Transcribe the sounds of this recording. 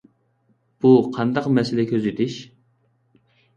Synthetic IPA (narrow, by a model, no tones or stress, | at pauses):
b̥uqʰɑnd̪ɑqmɛsɪlɛkʲʰøzɪt̪ʰɪʃ